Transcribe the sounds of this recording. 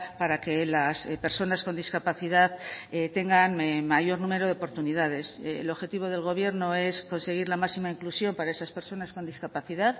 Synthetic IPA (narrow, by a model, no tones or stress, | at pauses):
paɾake̞laspe̞ɾso̞nasko̞nd̪iskapaθiðaðet̪e̞ŋɡanmemaʝo̞ɾnũme̞ɾo̞ðeopo̞ɾt̪unið̞aðe̞slo̞βxe̞t̪iβ̞o̞ð̞e̞lɣ̞o̞β̞je̞ɾno̞e̞sko̞nse̞ɣ̞iɾlamasimaiŋklusjo̞mpaɾae̞saspe̞ɾso̞nasko̞nd̪iskapaθiðað